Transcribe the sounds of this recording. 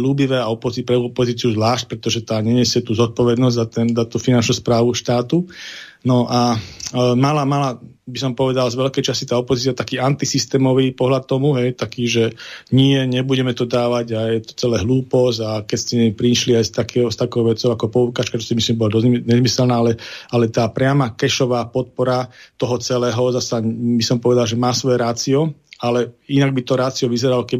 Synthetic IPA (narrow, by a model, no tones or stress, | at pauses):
luːbiʋɛːaɔpɔzipɾɛupɔziːt͡siuzʋlaːʃc̚pɾɛt̪ɔʒɛt̪aːɲɛɲɛsjɛt̪uːzɔt̪̚pɔʋɛd̪nɔzɟʲzat̪ɛnzat̪uːfinant͡ʃnuːspɾaːʋuʃt̪aːt̪u | nɔʔa | malamala | bisɔmpɔʋɛd̪alzʋɛlkɛjt͡ʃasit̪aːɔpɔziːt͡siat̪akiːant̪isist̪ɛːmɔʋiːpɔɦlat̪t̪ːɔmuɦɛjt̪akiːʒɛɲɪɛɲɛbuɟɛmɛt̪ɔd̪aːʋaɟajɛt̪ɔ̥t͡sɛlɛːɦluːpɔzakɛcscɛɲɛpɾiʃliajst̪akɛst̪akɔʊʋɛt͡sɔʊakɔpɔukaːt͡ʃkat͡ʃɔ̥simislimbɔlɔd̪ɔzɲɛzmisɛlnaːalɛalɛt̪aːpɾɪamakɛʃɔʋaːpɔt̪̚pɔɾat̪ɔɦɔt͡sɛlɛːɦɔzasabisɔmpɔʋɛd̪alʒɛmaːsʋɔjɛɾaːt͡siɔalɛinaɡ̚bit̪ɔɾaːt͡siɔʋizɛɾalɔkɛ